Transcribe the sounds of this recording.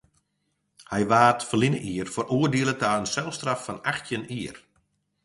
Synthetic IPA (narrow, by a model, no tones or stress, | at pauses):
hɛjʋaːtfəlinə̰ʔiərfəruərdiəlˠətaːənsɛlˠstrafːɔnaxtjəniər